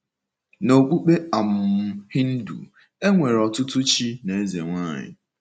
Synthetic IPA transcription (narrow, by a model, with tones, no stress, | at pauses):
no˨k͡pu˦k͡pe˦a˨m̩˨˦hɪ˦n̩˦dṵ˨ | e˦ŋʷe˨ɾɔ˨tʊ˦tʊ˦t͡ʃi˦ne˨e˦ze˨ŋʷaː˦˨ɲɪ̰˨